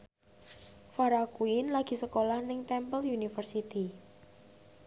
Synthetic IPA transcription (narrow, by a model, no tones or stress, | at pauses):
faɾakuɪnlaɡ̥i̤səkolahnɪŋt̪ɛmpəljunifərsit̪i